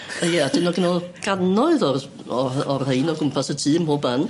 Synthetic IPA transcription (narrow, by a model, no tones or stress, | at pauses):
ajɛad̥ɪnɔɡɪnɔlˠɡ̥anɔɨðɔr | ɔɔrhejnɔɡʊmpʰasətʰiːəmboːban